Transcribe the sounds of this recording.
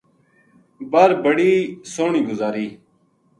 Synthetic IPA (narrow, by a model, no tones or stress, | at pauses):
bəɾbəɽiːsoːɳiːɡʊzaːɾiː